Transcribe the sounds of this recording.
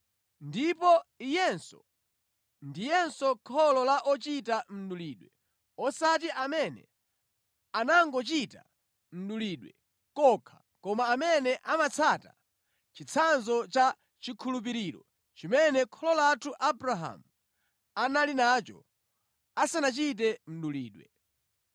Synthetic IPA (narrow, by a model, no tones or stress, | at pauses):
ndipɔijɛnsɔ̰ | ndijɛnsɔkʰɔlɔlaʔɔt͡ʃitam̩ɗuliːɗwɛ | ɔsat̬iʔamɛnɛ̰ | anaŋɡɔt͡ʃita̰ | m̩ɗuliːɗwɛ | kɔkʰḁ | kɔmaːmɛnɛʔamat͡sʰata̰ | t͡ʃit͡sʰanzɔt͡ʃa | t͡ʃikʰulup̬iɾiɾɔ̰ | t͡ʃimɛnɛkʰɔlɔlatʰuʔabɾaɦa̰mu | analinaːt͡ʃɔ̰ | asanat͡ʃit̬ɛm̩ɗuliːɗwɛ